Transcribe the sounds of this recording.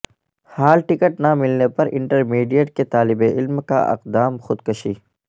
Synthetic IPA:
haːlʈɪkəʈnamɪlnepɐɾɪ̰̃ɳʈəɾmiːɖijəʈ̚ket̪aːlɪbeʔɪlmka̰ʔɪ̰qd̪aːmxʊd̪kɐʃiː

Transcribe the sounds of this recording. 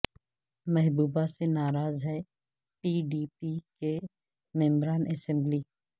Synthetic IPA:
mɛɦbuːbasenaːɾaːzɦɛ | piːɖiːpike | mɛ̃ːmɾaːnɛːsɛ̃mbliː

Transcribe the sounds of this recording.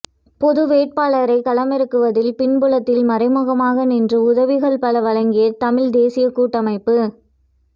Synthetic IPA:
pɔðɯʋeːʈ̚paːɭɐɾɐɪkɐlɐmɛɾɯkːɯʋɐðɪlpɪɳbɯɭɐt̪ːɪlmɐɾɐɪmɯɣɐmaːɣɐnɪndrɯʊðɐʋɪɣɐɭpɐɭɐʋɐɻɐŋɡɪjɐt̪ɐmɪɻd̪eːsɪjɐkuːʈːɐmɐɪpːɯ

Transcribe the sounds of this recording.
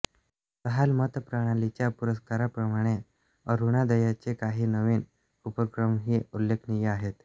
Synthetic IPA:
t̪əɦalmət̪pɾəɽ̃alit͡ɕjapuɾəskaɾapɾəmaɽ̃e | əɾuɽ̃ad̪əjat͡sekaɦiːnəʋin | upəkɾəmɦiːulːekʰnijeaɦet̪

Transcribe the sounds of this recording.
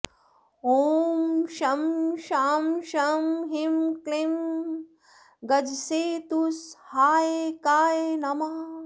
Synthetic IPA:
oːmʃɐmʃaːmʃɐmɦimklim | ɡɐd͡ʒseːt̪ushaːjekaːjenɐma

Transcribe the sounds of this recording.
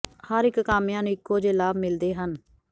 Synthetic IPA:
həɾɪkːaːmjãːnũːɪkːoːd͡ʒeːlaːbmɪld̪eːɦən

